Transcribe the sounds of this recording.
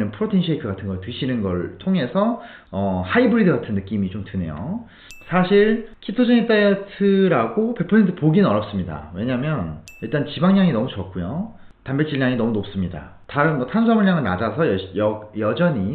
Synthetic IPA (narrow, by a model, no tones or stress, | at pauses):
nɯnpʰɯɾotʰinɕʰekʰɯɡatʰɯnɡʌɭtɯɕʰinɯnɡʌɭtʰoŋe̞sʰʌ | ʌhaibɯɾidɯɡatʰɯnːɯk͈imit͡ɕomtɯne̞̰jo̰ | sʰaɕʰiɾkʰitʰod͡ʑʌŋet͈ajʌtʰɯɾaɡope̞pʰʌsʰe̞ntʰɯpoɡinnʌɾjʌp̚s͈ɯmɲida̰we̞ɲamjʌniɭt͈ant͡ɕibaŋɲaŋinʌmut͡ɕʌk̚k͈ujo | tambet͡ɕ͈iɭːaŋinʌmunop̚s͈ɯmɲida̰ | taɾɯnwʌtʰansʰʌmuɭɲaŋɯɭnad͡ʑasʰʌjʌjʌjʌd͡ʑʌɲi